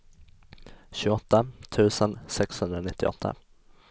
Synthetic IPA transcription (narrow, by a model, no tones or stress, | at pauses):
ɕʉːɡɔt̪ːat̪ʰʉ̟ːsənsɛkshɵnd̪ɾanɪt̪ʰːɪ̰ɔ̰t̪ʰːa̰